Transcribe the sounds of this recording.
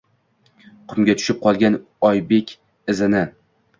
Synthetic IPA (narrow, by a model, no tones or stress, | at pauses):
qʰʊmɡʲat̪ʰʊ̥ʃɪp̚qʰɒlˠɡʲan | ɒjbekʲ | ɪzɪnɪ